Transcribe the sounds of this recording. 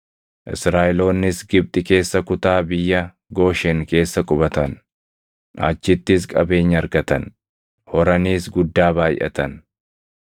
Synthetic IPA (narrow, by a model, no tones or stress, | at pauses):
ʔɪ̰sɾaːʔɪlo̞ːnːɪsɡɪb̚t̪ʼɪke̞ːsːɐkʊt̪aːbɪjːɐ | ɡo̞ːʃɛŋke̞ːsːɐkʼʊbɐt̪ɐn | ʔa̰t͡ʃːɪt̪ːɪskʼɐ̰be̞ːɲːɐɾɡɐt̪ɐn | hɔɾɐniːsɡʊd̪ːaːbaːjʔɐ̰t̪ɐn